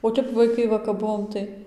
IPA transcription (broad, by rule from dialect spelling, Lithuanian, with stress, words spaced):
oː ˈtʲɛp ʋɐɪˈkɐɪ ˈʋɐ kɐp ˈbʊʋoːm tɐɪ